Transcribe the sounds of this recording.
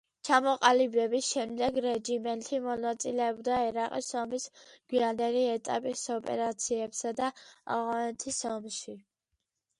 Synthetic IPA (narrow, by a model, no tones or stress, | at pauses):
t͡ʃʰamɔqʼalibɛbisʃɛmd̪ɛɡɾɛd͡ʒimɛnt̪ʰimɔnat̪sʼilɛɔbd̪aɛɾaqʼḭsɔmisɡ̥wiand̪ɛliɛt̪ʼa̰pʼisɔpʼɛ̰ɾat̪sʰiɛpsad̪aa̰vʁanɛt̪ʰisɔmʃi